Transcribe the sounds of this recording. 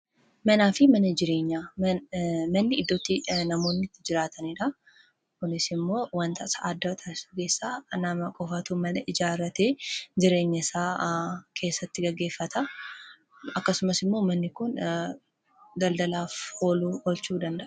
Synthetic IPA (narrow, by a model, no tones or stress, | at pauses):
mɐnaːfɪmɐnɐd͡ʒɪɾe̞ːɲːa | mɐnːɪɪd̪ːot̪ːɪnɐmo̞ːnːɪt̪ːɪd͡ʒɪɾaːt̪ʰɐnɪᶑɐ | kʊnɪsɪmːo̞ːwɐnt̪ɐʔsɐʔaːd̪ːɐt̪ʰaːɪsʊɡe̞ːsːaːnɐmɐkʼɔfɐt̪uːmɐnɐʔɪd͡ʒaːɾɐt̪e̞ːd͡ʒɪɾe̞ːɲːɐsaːkʰe̞ːsːɐt̪ːɪɡɐɡːe̞ːfːɐt̪ʰɐ | ɐkːɐsʊmɐsɪmːo̞ːmɐnːɪkʊn | d̪ɐld̪ɐlaːfhoːluːɔlt͡ʃuːd̪ɐnd̪ɐʔ